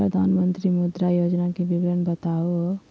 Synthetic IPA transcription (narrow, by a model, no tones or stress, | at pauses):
ɾəd̪ʱaːnmənt̪ɾimʊd̪ɾajoːd͡ʒnakebiɡɾənbət̪aoɦ